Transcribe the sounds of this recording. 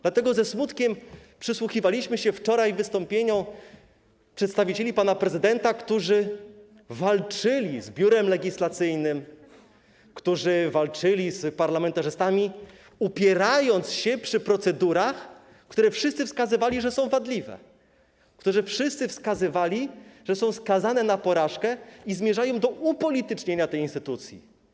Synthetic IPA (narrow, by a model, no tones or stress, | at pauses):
d̪̥lat̪ɛɡɔzɛsmut̪kʲɛmpʂɘswuxʲivalʲiɕmɘɕɛft͡ʂɔɾajvɘst̪ɔmpʲjeɲɔ̃w̃ | pʂɛt̪st̪avʲit͡ɕelʲipanapɾɛzɘd̪ɛnt̪akt̪uʐɘ | valt͡ʂɘlʲizbʲjuɾɛmlɛɡʲislat̪sɘjnɘm | kt̪uʐɘvalt͡ʂɘlʲizpaɾlamɛnt̪aʐɘst̪amʲi | upʲjɛɾajɔnt̪sɕɛpʂɘpɾɔt̪sɛd̪uɾax | kt̪uɾɛfʂɘ̥st̪sɘfskazɘvalʲiʐɛsɔ̃w̃vad̪lʲivɛ̰ | kt̪uʐɘfʂɘst̪sɘfskazɘvalʲiʐ̥ɛsɔ̃w̃skazanɛnapɔɾaʂkɛizmʲjɛʐajɔ̃w̃d̪ɔupɔlʲit̪ɘt͡ʂɲeɲat̪ɛjinst̪ɘt̪ut̪sʲjḭ